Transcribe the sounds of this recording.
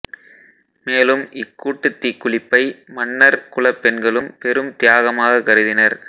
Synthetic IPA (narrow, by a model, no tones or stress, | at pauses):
meːlɯmʔɪkːuːʈːɯt̪ːikːʊɭɪpːɐɪmɐnːɐɾkʊɭɐpːɛnɡɐɭɯmpɛɾɯmt̪ɪjaːɣɐmaːɣɐkɐɾɯðɪnɐɾ